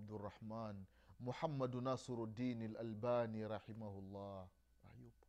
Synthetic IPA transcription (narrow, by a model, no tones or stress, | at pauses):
b̚d̪rˤːɑħmaːn | mʊħamːad̪naːsˤɨɾad̪ːiːnalʔalbaːniɾˤɑħɪmahʊlˤːɑːh | ʔa̰jub